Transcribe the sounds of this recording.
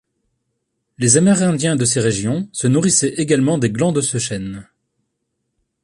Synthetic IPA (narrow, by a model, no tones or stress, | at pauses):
lezamɛʁɛ̃d̪jɛ̃d̪əs̬eʁeʒjɔ̃sənuʁisɛʔeɡalmɑ̃d̪eɡlɑ̃d̪əsəʃɛn